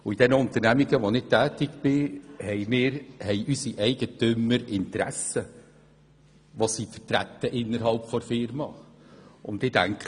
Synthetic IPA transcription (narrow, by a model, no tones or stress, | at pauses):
ʊid̥ɛnəʊnt̪əɾnæmiɡəʋonɪtæːtɪɡbɪhɛɪmɪːɾhɛɪʔysiʔɛɪɡ̥ətʏməɾɪntɾæsə | ʋosifətɾæt̪ːəʔɪnːəɾɦɑlpfɔɾfɪɾmɑ | ʊnd̪ɪdæŋkχə